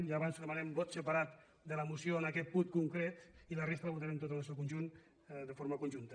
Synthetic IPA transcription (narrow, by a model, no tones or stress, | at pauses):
iaβanzðəmanɛmbot̪səpaɾat̪ | d̪ələmusjoənakɛt̪̚put̪kuŋkɾet̪ilərest̪ɾəβut̪aɾent̪ot̪ənəsokunʒun | d̪əfoɾməkunʒunt̪ə